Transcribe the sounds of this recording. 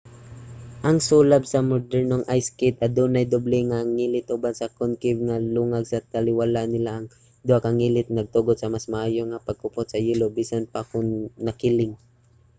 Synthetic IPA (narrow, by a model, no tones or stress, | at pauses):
ʔɐŋsulabsɐmod̪ɛɹnoŋʔajskɛt̪̚ɐd̪uːnɐjd̪oblɛŋaŋiːlɪt̪̚ʔʊbansɐkʊnkɪvŋaluŋaɡsɐt̪ɐlɪwalaʔnɪlaʔɐŋ | d̪ʊakɐŋiːlɪt̪̚nɐɡ̚t̪uɡod̪̚sɐmasmaʔaːjoŋapɐɡ̚kʊpot̪̚sɐjilobiːsanpakʊŋnɐkɪlɪŋ